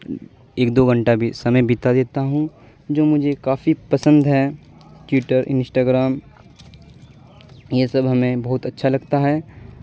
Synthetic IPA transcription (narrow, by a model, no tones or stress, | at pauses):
eːk̚d̪oːɡə̃ɳʈabʱisɐməjbit̪ad̪eːt̪aɦũ | d͡ʒoːmʊd͡ʒʱekaːfipɐsə̃nd̪ɦɛː | ʈɪʈəɾɪ̰̃nsʈaːɡɾaːm | jesɐbɦɐmẽbɐɦʊt̪ɐtːʃʰalɐɡt̪aɦɛː